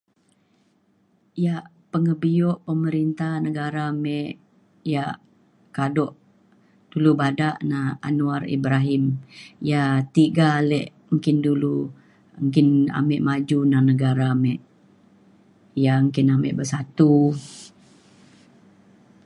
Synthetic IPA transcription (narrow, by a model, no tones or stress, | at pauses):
ijaʔ | pəŋəbiɔʔpəməɾint̪ahnəɡaɾamɛʔ | jaʔ | kadɔʔ | d̥ulubadaʔnaa̰nuarḭbɾaɦimjat̪iɡalɛʔ | məŋkɪndulu | əŋkɪna̰mɛʔmad͡ʒunahnəɡaɾamɛʔ | jaəŋkɪnamɛ̰ʔbəsat̪u